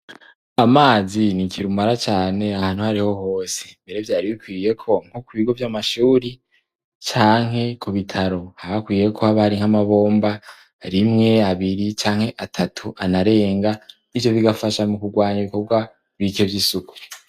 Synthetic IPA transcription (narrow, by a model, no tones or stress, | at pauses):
amaːzinikʰiɾumaɾat͡ʃaːne̞ahaːn̥huhaɾiho̞hoːse̞mbe̞ɾe̞vjaːɾiβikwiːje̞kʰo̞ŋ̥okuβiɡo̞vjamaʃuːɾi | t͡ʃaːŋ̥he̞kuβitʰaɾo̞haβakwiːje̞kʰo̞haβaɾiŋ̥amaβo̞ːmba | ɾimŋe̞aβiɾit͡ʃaːŋhe̞ʔatʰatʰuanaɾe̞ːŋɡa | ivjo̞βiɡafaʃamukuɡwaːɲaβiko̞bɡwa | ɾikevjisuku̥